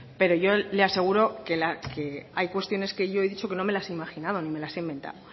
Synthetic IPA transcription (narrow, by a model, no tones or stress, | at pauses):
pe̞ɾo̞ʝo̞lease̞ɣ̞uɾo̞kelakeajkwe̞st̪jo̞ne̞ske̞ʝo̞eðit͡ʃo̞ke̞no̞me̞laseimaxinaðo̞nime̞laseimbẽ̞nt̪a̰ðo